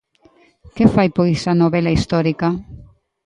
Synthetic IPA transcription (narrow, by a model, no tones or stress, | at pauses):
kefajpojsanoβelaist̪ɔɾika